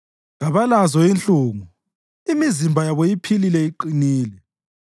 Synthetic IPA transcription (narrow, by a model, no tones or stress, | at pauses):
ɣaβalazɔint͡ɬʼuːŋu | imizimbʱajaβɔjipʰililɛiǃiniːlɛ